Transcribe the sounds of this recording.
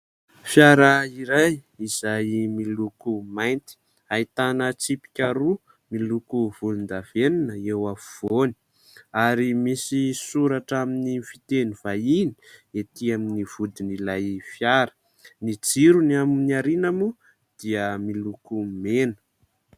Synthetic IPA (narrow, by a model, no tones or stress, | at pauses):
fjaɾəiɾaj | iz̥ajmilukumajnt̪i̥ | ait̪anət͡sipi̥kʲaɾu | milukuv̥ulund̪av̥eninəewauv̥oni̥ | aɾimisisuɾaʈ͡ʂaminifit̪eniv̥aini̥et̪iaminiv̥ud̪inilajfjaɾə̥ | nid͡ziɾunaminiaɾinamu | d̪̥iəmilukumenə̥